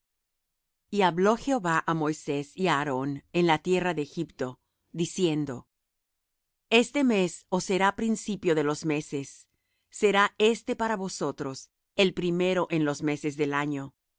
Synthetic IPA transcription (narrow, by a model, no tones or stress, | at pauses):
iaβlo̞xe̞o̞βaʔamo̞jse̞siaːɾo̞ne̞nlat̪je̞raðeːxipt̪o̞ | ðisje̞nd̪o̞ | e̞st̪e̞me̞so̞se̞ɾapɾinsipjo̞ðe̞lo̞zme̞se̞sː | e̞ɾae̞st̪e̞paɾaβo̞so̞t̪ɾo̞s | e̞lpɾime̞ɾo̞ʔe̞nlo̞zme̞se̞zðelaɲo̞